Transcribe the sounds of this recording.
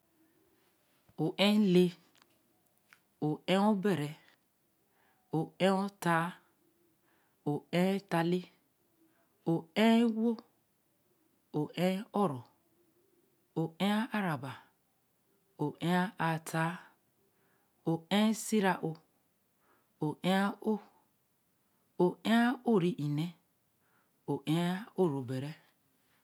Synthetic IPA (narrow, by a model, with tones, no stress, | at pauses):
o˨ʔẽ˦le˦ | o˨ẽ˦o˦be˨ɾe˨ | o˨ẽ˦o˦ta˨˦ | o˨ẽ˦ta˨li˦ | o˨ẽ˦wo˦ | o˨ʔẽ˦ɔ˦ɾɔ˨ | o˨ʔe˦a˦a˦ɾa˨ba˨ | o˨ʔe˦a˦a˨tʰa˦ | o˨ẽ˦si˦ɾa˨ʔo˨ | o˨ʔe˦a˦o˦ | o˨e˦a˦o˦˨ɾi˦ʔi˨ne˦ | o˨ʔe˦o˦˨ɾo˨be˨ɾe˦